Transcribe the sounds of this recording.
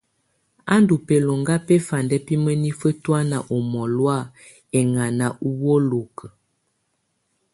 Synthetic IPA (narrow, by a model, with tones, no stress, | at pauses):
a˦ndu˨pe˨lo˨ŋɡa˦pɛ˦fa˨ndɛ˦pi˦mə˦ni˦fə˦twa˦na˨ʔo˨mɔ˨lwa˦˨ | ɛ˨ŋa˨na˨ʔu˦wo˦lo˨kə˨